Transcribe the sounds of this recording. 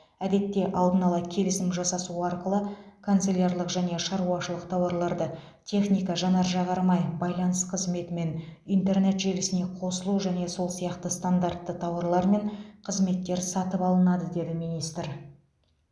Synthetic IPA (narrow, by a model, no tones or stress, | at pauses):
æd̪e̞t̪ːe̞ʔɑlˠd̪ənɑlˠɑkʲʰe̞lɪsɪmʒɑsɑsuɑɾqəlˠəkʰont̪selʲarlˠəqʒæne̞ʃɑɾuɑʃəlˠəqt̪ʰɑwɑɾlˠɑɾd̪ə | t̪ʲʰe̞χnijkɑʒɑnɑɾʒɑʁɑɾmɑjbɑjlˠɑnəsqʰəzme̞t̪ɪme̞nijnt̪e̞rne̞t̪ʒe̞lɪsɪne̞qʰo̞səlˠuʒæne̞so̞lˠsijɑqt̪əst̪and̪art̪ːət̪ʰɑwɑɾlˠɑɾme̞ɴqʰəzme̞t̪ːe̞ɾsɑt̪əpɑlˠənɑd̪əd̪e̞d̪ɪmijnijst̪ɪɾ